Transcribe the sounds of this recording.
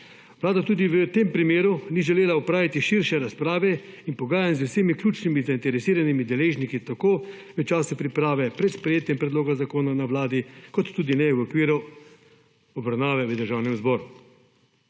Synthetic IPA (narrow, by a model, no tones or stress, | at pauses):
ʋlaːd̪at̪uːd̪iʋət̪empɾimeːɾuniʒɛleːlaupɾaːʋit̪iʃiɾʃɛɾaspɾaːʋɛinpɔɡaːjanzʊwsemiklʲuːt͡ʃnimizaint̪ɛɾɛsiːɾanimid̪ɛleːʒnikit̪akoːʋɛt͡ʃaːsupɾipɾaːʋɛpɾɛt̪spɾɛjeːt̪jɛmpɾɛd̪loːɡazakoːnanawlaːd̪ikɔt̪ːuːd̪inɛwɔkʋiːɾu | ɔbɾawnaːʋɛʋəd̪əɾʒawnɛmzbɔːɾu